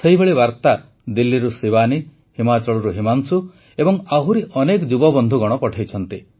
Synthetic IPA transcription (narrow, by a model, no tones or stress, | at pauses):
seɦibeɭibaɾt̪a | d̪ilːiɾusibani | himat͡ʃɔɭɔɾuɦimansu | ebɔŋaɦuɾiʔɔnekɔd͡ʒubɔbɔnd̪ʱuɡɔɽ̃ɔpɔʈʰajt͡ʃʰɔnt̪i